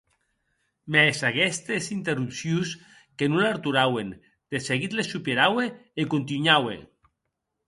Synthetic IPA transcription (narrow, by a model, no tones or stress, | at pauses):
mesakɛst̪esint̪erupsjus | kenulaɾt̪uɾawen | d̪̥eseɣit̪lesupeɾaweekunt̪iɲawḛ